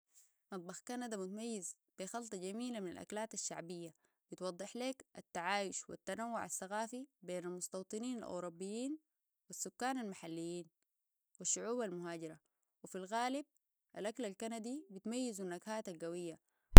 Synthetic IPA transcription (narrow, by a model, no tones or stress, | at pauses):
mɑt̪̚ˤbɑxkanad̪amut̪amajːiz | b̥ixɑlt̪ˤɑɟamiːlamina̰lʔa̰klaːt̪aʃːa̰ʕbijːa | b̥it̪wɑd̪ˤːɨħleːkat̪ːaʕaːjʊʃwḭt̪ːanawːʊʕa̰θːaɣaːfibeːnalmʊst̪ɑwt̪ˤɨniːna̰lʔṵɾubːijːiːn | wisːukːaːnalmaħalːijːiːn | wiʃːʊʕuːbalmʊɦaːɟiɾa | wifilɣaːlib̚ | ʔa̰lʔaklalkanad̪ibit̪majːizunːaɡhaːt̪alɡawijːa